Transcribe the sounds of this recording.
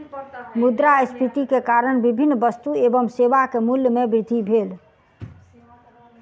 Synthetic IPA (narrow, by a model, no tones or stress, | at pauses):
mud̪ɾaespʰit̪ikekaɾəɳbibʱinːbəst̪uebəmsebakemuljmebɾɪd̪ʱibʱel